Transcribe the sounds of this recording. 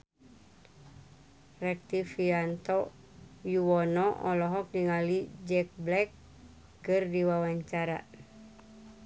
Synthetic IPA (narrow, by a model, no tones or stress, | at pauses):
rɛk̚t̪ifiant̪ɔ | juwɔnɔʔɔlɔɦɔk̚diŋalid͡ʒɛk̚blɛkː | ɨrdiwawaɲt͡ʃaɾa̰